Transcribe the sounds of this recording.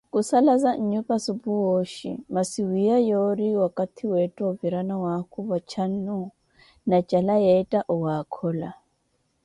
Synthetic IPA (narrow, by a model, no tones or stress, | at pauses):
kʼusalazaɲ̩ɲɛpʼasubuoʃḭmasiwiajɔɾiwakʼat̪ʰiwɛtʼɔviɾanawakʰuvat͡ʃʰan̩nu | nat͡ʃʼalajɛtʼaʔɔwakʰɔːla